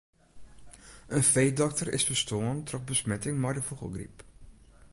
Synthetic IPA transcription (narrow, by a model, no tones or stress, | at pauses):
ʔənfejdɔk̚tərɪ̰sfəstʰoəntrɔxbəsmɛtɪŋmɛjdəfuɣə̰lˠɡrḭp